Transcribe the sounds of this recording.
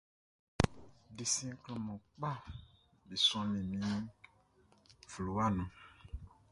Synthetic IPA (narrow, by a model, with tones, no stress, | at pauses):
di˨sĩ˦klɔ̃˨mɔ̃˨k͡pa˦˨ | bi˨sɔ̃˦mĩ˨mĩ˨˦ | fu˨lu˨wa˦nũ˨